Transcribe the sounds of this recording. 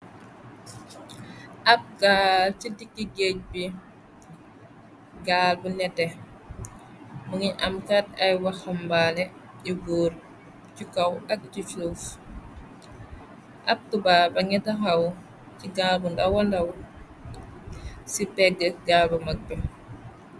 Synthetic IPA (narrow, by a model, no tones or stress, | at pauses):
ʔɐb̚ɡaːlcidikːiɡec̚bi | ɡaːlbunɛtɛ | muŋiɲɐmkat̚ɐjwɐxɐmbalɛ | iɡuːɾ | cukɐwɐk̚t͡ʃifuf | ʔɐk̚tubabɐŋɛtɐxɐw | ciɡalbundɐwandɐw | sipɛɡəɡaːlbumɐk̚bɛ